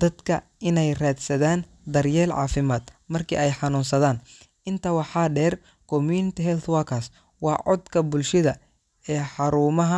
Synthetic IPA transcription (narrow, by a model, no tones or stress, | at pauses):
d̪̥ɐd̪kʰɐ | ɪnɛjraːd̪sɐðaːn | d̪ɐrjɛːlʕɑ̰ːfɪmaːd̪mɐrkʰḭːʔɛjħɑnuːnsɐðaːnʔɪnt̪ʰɐwɑħɑːɖɛːr | kʰɔmjuːnɪt̪ʰɪɦɛlt̪waːkʰas | wɑːʕɔd̪kʰɐbʊlʃɪðɐ | ɛːħɑɾuːmɐɦɐ